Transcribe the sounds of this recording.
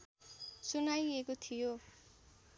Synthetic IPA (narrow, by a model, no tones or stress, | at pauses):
sunajekot̪ʰijo